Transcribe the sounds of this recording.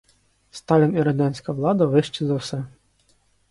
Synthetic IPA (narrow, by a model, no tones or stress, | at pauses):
st̪ɑlʲiniɾɐd̪ʲɑnʲsʲkɐʋlˠɑd̪ɐʋɪʃt͡ʃɪzɐwsɛ